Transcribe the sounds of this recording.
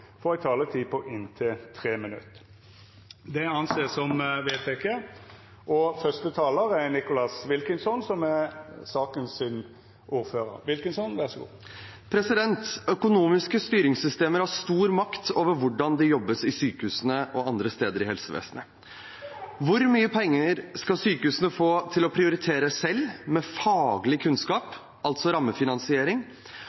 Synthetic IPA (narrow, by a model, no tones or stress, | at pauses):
fɔɾɪt̪ʰɑːlət̪ʰiːpʰɔʔɪnt̪ʰɪlt̪ʰɾeːmɪnʉ̰t̪ | d̪ɛɑnseːsɔmʋeːt̪ʰɛkʰe | ʔɔfœst̪ət̪ʰɑːləɾæɾnɪkʊlɑsʋɪlkənsɔnsɔmɛsɑːkənsɪn | ʔuːɾføːɾə̰ɾʋɪlkənsɔnʋæʁsɔɡṵː | pʰɾɛsɪd̪ɛnt̪œkʊnuːmɪskəst̪yːɾɪŋsʏst̪eːməɾhɑst̪uːɾmɑkt̪ʰoːʋəɾʋʊɖɑnd̪ɛjɔbːəsɪsyːkəhʉːsənəʔɔɑnd̪ɾəst̪eːd̪əɾɪhɛlsəʋḛːsənə | ʋʊɾmyːəpʰɛŋːəɾskɑsyːkəhʉːsənəfoːt̪ʰɪlɔpʰɾɪʊɾɪt̪ʰeːɾəsɛlːmɛfɑːɡlɪkʰʉnskɑːp | ɑlt̪sɔɾɑmːəfɪnɑnsɪeːɾɪŋ